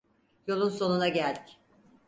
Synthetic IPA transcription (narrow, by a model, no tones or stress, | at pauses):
jo̞lˠunso̞nunaɟælʲd̪i̥c